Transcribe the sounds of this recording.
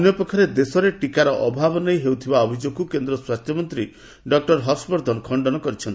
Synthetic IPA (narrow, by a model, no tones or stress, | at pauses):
njɔpɔkʰɔɾed̪esɔɾeʈikaɾɔʔɔbʱabɔnejɦewt̪ʰibaɔbʱid͡ʒoɡkukend̪ɾɔswast̪ʰjɔmɔnt̪ɾi | ɖɔk̚ʈɔɾɦɔspɔɾd̪ʱɔnɔkʰɔɳɖɔnɔkɔɾit͡ʃʰɔnt̪i